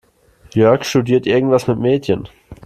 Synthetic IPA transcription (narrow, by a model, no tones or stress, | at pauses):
jœɐkʃtudiːɐtʔɪɐɡŋ̩tvasmɪtmeːtçən